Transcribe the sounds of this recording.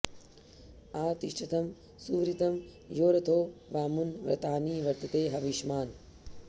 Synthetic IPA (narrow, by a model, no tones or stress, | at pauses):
aːt̪iʃʈʰɐt̪ɐm | suːʋɾit̪ɐm | joːɾɐt̪ʰoːʋaːmunʋɾɐ̰t̪aːniːʋɐɾt̪ɐt̪eːɦɐʋiʃmaːn